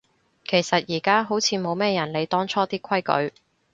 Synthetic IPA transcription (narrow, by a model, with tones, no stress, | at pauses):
kʰe˨˩jsɐ˨t̚jiː˨˩kaː˥ɦo˨˥wt͡sʰiː˨˥mo˨˧wmɛː˥jɐ˨˩nle˨˧jt̪ɔː˥ŋt͡sʰɔː˥t̪iː˥kʰwɐ˥jkɵ̰˨˥ɥ